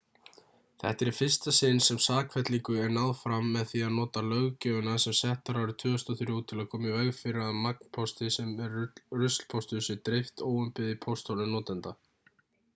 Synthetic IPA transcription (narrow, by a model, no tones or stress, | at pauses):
θɛ̰ht̪ɛɾifɪr̥st̪asɪnsɛmsaːkʰvɛt̪liŋkʏɛɾnaðfɾamːɛðθiaðnɔːt̪alœɣcœːʏnasɛmsɛht̪aɾawɾɪt̪ʰʏːʏst̪ɔθʏɾut̪ʰːɪlaðkʰɔːmɪvɛɣfɪɾɪaðmak̚n̥pʰɔst̪ɪsɛmɛɾrʏst̪l̥pʰɔst̪ʏsʏt̪ɾɪft̪oːwʏmpɪðipʰɔst̪ʰolʏnɔːt̪ant̪a